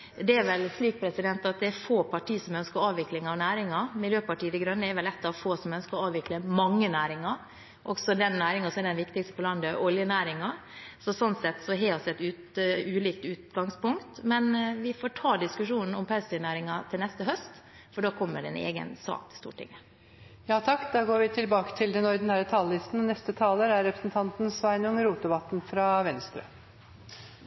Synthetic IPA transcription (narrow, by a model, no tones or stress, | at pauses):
d̪ɛæɾʋɛlʂliːk̚pʰɾɛsɪd̪ɛnt̪ɑt̪̚d̪ɛɛɾfoːpʰɑʈʰiːsɔmœnskəɾɑːʋʋɪklɪŋɑʋnæːɾɪŋɑmɪljøːpɑʈiːəd̪ɛɡɾœnːəɛɾʋɛlɛt̪ːɑʋfoːsɔmœnskəɔɑːʋɪkləmɑŋːənæːɾɪŋɑ | ʔɔ̰ɡsɔd̪ɛnːæːɾɪŋɑsɔmɛɾd̪ɛnʋɪkt̪ɪkst̪əpʰɔlɑnd̪əʔɔljənæːɾɪŋɑ | sɔsɔnt̪sɛt̪ːsɔɦɛɔsɛt̪ʉːt̪ | ʉːliːk̚t̪ʉːt̪ɡɑŋspʊŋkt̪mɛnʋɪfoːʈʰɑːd̪ɪskʉʂuːnn̩ɔmpʰɑlsɪnæːɾɪŋɑt̪ʰɪlnɛst̪əɦœst̪ | fɔɖɑːkʰɔmːəɖɛnḛːɡə̰nsɑ̰ːt̪ʰɪ̥st̪ṵːʈʰɪ̰ŋːə | jɑːt̪ʰɑkːd̪ɑːɡoːɾʋɪt̪ʰɪlbɑːkə̥t̪ʰɪld̪ɛnɔɾd̪ɛnhæːɾət̪ʰɑlːɪst̪n̩nɛst̪ət̪ʰɑːləɾæɾɾɛpɾəsn̩t̪ʰɑnt̪n̩sʋæɪnʊŋɾuːt̪̚d̪ɛbɑt̪nfɾɑʋɛnst̪ɾə̰